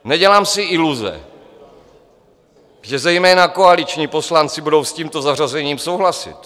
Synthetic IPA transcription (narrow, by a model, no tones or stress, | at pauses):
nɛɟɛlaːmsɪʔɪluzɛ̰ | ʒɛzɛjmɛːnakoalɪt͡ʃɲiːpo̞slant͡sɪbudo̞wsciːmt̪o̞zarazɛɲiːmso̞wɦlasɪ̰t̪